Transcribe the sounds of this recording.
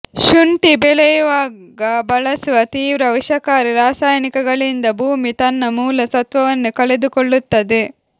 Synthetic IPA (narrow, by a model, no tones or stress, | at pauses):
ʃuɳʈibelɛjʋaːɡɐbɐɭɐsʋɐt̪iːʋɾɐʋiʃɐkaːɾiɾaːsaːjɐnikɐɡɐɭind̪ɐbʱuːmit̪ɐnːɐmuːlɐsɐt̪ʋɐʋɐnːukɐɭed̪ukoɭːut̪ːɐd̪e